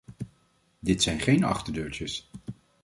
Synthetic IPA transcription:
dɪtsɛjnχejnɑ̰χtəɹdøːɹt͡ʃəs

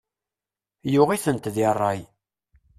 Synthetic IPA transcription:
jʊʁiθənt̪ðirˤːɑj

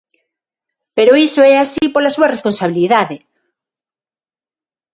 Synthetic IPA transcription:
peɾoisoɛasipoɾlasuarespõnsaβ̞iliðaðe

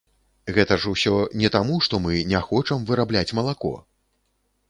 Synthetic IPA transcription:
ɣɛt̪ɐʐusʲɔnʲɛt̪amuʂt̪ɔmɨnʲɛxɔt͡ʂɐmvɨɾablʲat͡sʲmɐlˠakɔ̰

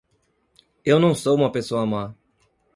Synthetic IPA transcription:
ewnɐ̃w̃sowũmɐpesoɐma

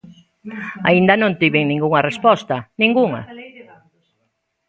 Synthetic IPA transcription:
a̰ind̪ɐnõnt̪iβɪŋnĩŋɡuŋɐrespɔst̪ɐnĩŋɡuŋɐ̰

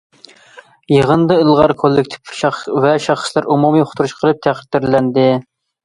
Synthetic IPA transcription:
jəʁənd̪ɨɨlˠʁɑɾkʰolˠːɪk̚ʲt̪ʰɪ̥pʃɑχvɛʃɑχslˠɑɾumumijoχʰʊ̥t̪ʰuɾuʃqʰəlˠɨp̚t̪ʰæχə̥t̪ːɪɾlɛnd̪ɪ

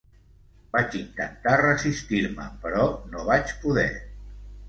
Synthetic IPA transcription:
b̥at͡ʃint̪ənt̪arəzist̪iɾmə̰pəɾɔnoβat͡ʃpuðɛ̰

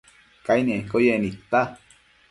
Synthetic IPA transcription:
kainiʔeŋkojenit̪ːa

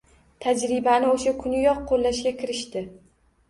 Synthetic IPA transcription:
t̪ʰad͡ʒɾɪbanɪoʃakʰʊnɪjɒqʰːolːaʃɡʲakʲʰɪɾɪʃt̪ɪ

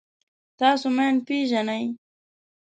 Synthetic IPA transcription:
t̪ɑːsomeɳpeːʒanaj

